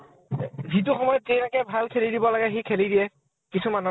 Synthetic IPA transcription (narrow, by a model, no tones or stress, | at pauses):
zit̬uxɔmɔjɔtzejɾakɛbʱalkʰelidibɔlaɡɛxikʰelidijɛ | kisumanɔ